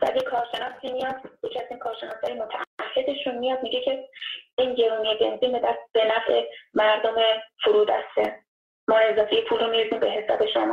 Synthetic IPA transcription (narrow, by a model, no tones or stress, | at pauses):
væ̰d̪ekʰɒːɾʃe̞nɒːsimijɒːd̪̥but͡ʃʰæsiːnkʰɒːɾʃe̞nɒːshɒːjimot̪ʰæʔːhːe̞d̪eʃunmijɒːd̪̚miɟecʰe̞iːnje̞ɾuːnijebe̞nziːnbed̪æb̥e̞næfemæɾd̪o̞me̞fuɾuːd̪æ̰st̪e | mɒːe̞zɒːfejepʰuːlɾomiɾiziːmbe̞ɦe̞sɒ̰ːbe̞ʃomɒː